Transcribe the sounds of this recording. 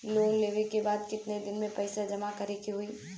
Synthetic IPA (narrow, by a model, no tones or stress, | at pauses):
loːnleːʋekebaːd̪kɪt̪ned̪ɪnmẽpɐɪsad͡ʒɐmakɐɾekiɦʊi